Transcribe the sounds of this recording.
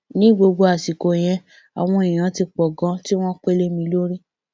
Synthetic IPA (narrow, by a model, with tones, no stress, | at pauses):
nĩ˨˦ɡ͡bo˧ɡ͡bo˧a˨si˨ko˨j̃ɛ̃˧ | a˨w̃ɔ̃˧i˨j̃ã˨˦ti˧k͡pɔ˨ɡã˧˦ti˦w̃ɔ̃˦k͡pe˦le˦mĩ˧lo˦ɾi˦